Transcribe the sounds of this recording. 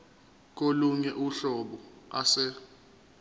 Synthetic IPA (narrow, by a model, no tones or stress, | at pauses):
k̬oluɲɛʔuɬɔɓɔasɛ